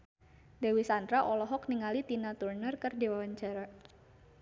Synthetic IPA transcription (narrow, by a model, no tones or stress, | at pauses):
dawisandɾaʔɔlɔɦɔkniŋalit̪inat̪urnərkərdewawaɲt͡ʃaɾa